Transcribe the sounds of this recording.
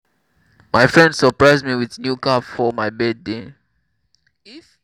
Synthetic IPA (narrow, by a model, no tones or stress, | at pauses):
majfɹɛ̃ndsəpɹaɪzmiwiðnjukapfɔmaɪbɛdde